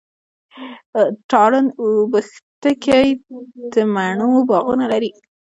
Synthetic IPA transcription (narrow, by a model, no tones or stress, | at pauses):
ʈɑɽənobəxt̪əkajd̪əmaɳobɑɣunalaɾi